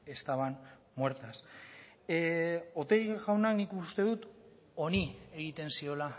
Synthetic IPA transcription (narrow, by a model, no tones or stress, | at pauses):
e̞st̪aβan | mwe̞ɾt̪as | o̞t̪e̞jɣawnaknikust̪e̞ðut̪ | o̞nie̞ɣ̞it̪e̞nsio̞la